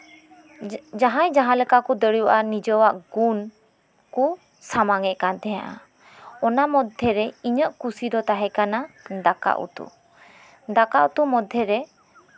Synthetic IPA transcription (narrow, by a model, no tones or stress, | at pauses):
d͡ʒaɦãjd͡ʒaɦãləkakud̪əɽjuʔanid͡ʒɔwaʔɡun | ku | samaŋɛʔkant̪ɛjã̰ʔa̰ | ɔnamɔd̪ʱɛɾɛiɲəʔkusid̪ɔt̪aɦɛkanad̪aka̰ʔṵt̪ṵ | d̪akaʔut̪umɔd̪ʱːɛɾɛ